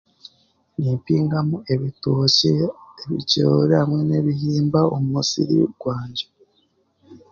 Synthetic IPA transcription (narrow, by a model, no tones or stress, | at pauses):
niːmpiːŋɡamue̞βitoceeβicoɾehamŋene̞βihiːmbaomumusḭɾḭɡ̥waːɲɟḁ